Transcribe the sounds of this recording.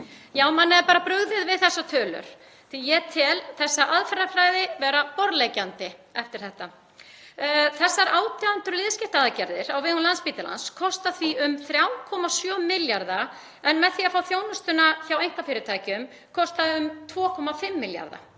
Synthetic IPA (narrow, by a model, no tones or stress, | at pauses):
jaːwmanːɛɾpaːɾapɾʏɣðɪðvɪðθɛsːat̪ʰœːlʏ̰ɾ̥ | θijɛt̪ʰɪlθɛsːaʔaðfɛɾafɾajðɪvɛːɾapɔɾðlejcant̪ɪɛft̪ɪɾ̥θɛht̪a | θɛsːaɾaːwt̪ʰaðant̪ʏɾlɪðscɪht̪aaðcɛɾðɪɾawvɪʏnlanspiːt̪ɪla̰nskʰɔst̪aθviʏmθɾjawkʰɔmasjœːmɪljaɾða | ɛnmɛðθiafaːwθjownʏst̪ʏnaçawejŋ̥k̪afɪːɾɪt̪ʰaːjcʏm | kʰɔst̪aʏmt̪ʰvɔːkʰɔmafɪmːɪlja̰ɾða̰